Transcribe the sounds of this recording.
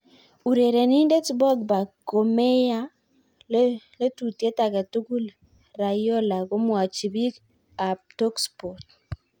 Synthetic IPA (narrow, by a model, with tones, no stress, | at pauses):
u˨ɾe˨ɾe˨ni˦nde˦tbɔ˦ɡba˨ko˨me˦ja˦ | lle˦tu˨te˦ta˨ka˨tu˦ku˦l | ɾa˨jo˦la˨ɡo˦mwa˨t͡ʃi˨bi˦k | a˨p̚to˦kspɔ˨t̚